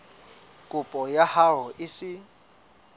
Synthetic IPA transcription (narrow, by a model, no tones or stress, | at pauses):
kʼʊpʼɔjaharɔʔɪsɪ